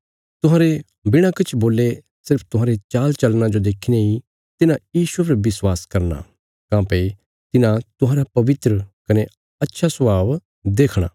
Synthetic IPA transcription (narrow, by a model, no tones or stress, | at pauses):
t̪ʊɦãːɾe | bɪɽ̃akɪt͡ʃʰboːlːe | sɪɾpʰt̪ʊɦãːɾet͡ʃaːlt͡ʃɐlnãd͡ʒod̪eːkʰinei | t̪ɪnãjiːsup̬ɐɾʋɪswaːskɐɾna̰ | kãːpe | t̪ɪnãt̪ʊɦãːɾapɐʋɪt̪ɾəkɐne | ɐtːʃʰasɐbʱaːʋ | d̪eːkʰɽ̃a̰ː